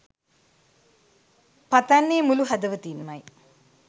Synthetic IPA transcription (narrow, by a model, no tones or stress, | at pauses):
pat̪anːeːmuluɦɐd̪əʋət̪iːnmaj